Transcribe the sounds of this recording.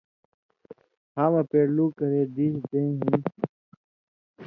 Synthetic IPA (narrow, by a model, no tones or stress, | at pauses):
haːmɐpeːɽluːkɐɾeːd̪iːsd̪ẽːɦĩ